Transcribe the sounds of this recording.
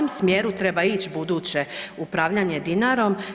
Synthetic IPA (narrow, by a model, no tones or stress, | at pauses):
omsmjeːɾut̪ɾe̞bait͡ɕbud̪uːt͡ɕe̞upɾaʋʎaɲed̪inaɾo̞m